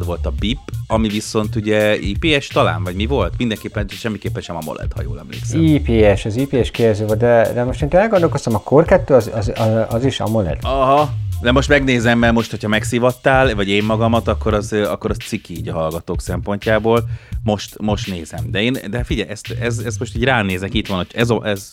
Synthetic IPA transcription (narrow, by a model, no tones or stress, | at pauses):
d̪ʋo̞lt̪ɒbipːɒmiviso̞nt̪uɟɛḭːpeːɛʃt̪ɒla̰ːnvɒɟmivo̞lt̪mind̪ɛŋkeːpːɛnʃɛmːikeːpːɛnʃɛmɒmo̰lɛ̰t̪hɒ̰jo̰ːlɛ̰mlḛːksɛiːpeːɛʃɒziːpeːɛʃkeɛzøːvold̪ɛd̪ɛmo̞ʃt̪eːnt̪enɛlɡond̪olko̞st̪ɒmɒkʰorkɛt̪ːøːɒzɒzɒʔɒziʃɒ̰molɛ̰d̪̥ɒɦɒd̪ɛmo̞ʃt̪mɛɡneːzɛmːɛrmo̞ʃt̪hocʰɒmɛksivɒt̪ːaːlvɒɟeːmːɒɡɒmɒt̪ɒkːo̞ɾɒzɒkːo̞ɾɒst̪sikːiːɟɒɦɒlɡɒt̪oːksɛmpo̞ɲcaːboːlmo̞ʃt̪mo̞ʃt̪neːzɛmd̪ɛeːnd̪ɛfiɟɛjɛst̪ɛzɛst̪mo̞ʃt̪iːɟraːneːzɛkit̪ʋɒnocʰɛzɒʔɛz